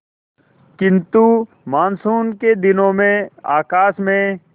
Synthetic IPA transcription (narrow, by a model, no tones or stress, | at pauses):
kɪ̃nt̪u | maːnsuːnked̪ɪnõmẽa̰ːkaːsmẽ